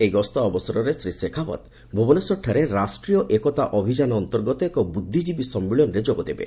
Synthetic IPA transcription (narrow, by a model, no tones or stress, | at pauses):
ejɡɔst̪ɔːbɔsɔɾɔɾesɾisekʰapɔ̰t̪ | bʱobɔnesɔʈʰːaɾeɾasʈɾijɔʔekɔt̪aʔɔbʱid͡ʒanɔːnt̪ɔɾɡɔt̪ɔekɔbud̪ʱːid͡ʒibisɔmːiɭɔnɔɾed͡ʒoɡɔd̪ebḛ